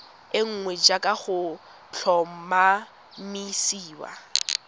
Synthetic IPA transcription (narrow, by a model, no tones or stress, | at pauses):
ɪŋ̩ŋwɛd͡ʒakʼaχʊ | t͡ɬʰɔm̩ma | misiːwa̰